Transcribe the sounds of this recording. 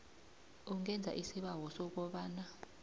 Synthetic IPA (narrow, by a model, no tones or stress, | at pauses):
uŋɛnd͡zʱa̰ʔisiɓawɔsɔk̬ɔɓaːna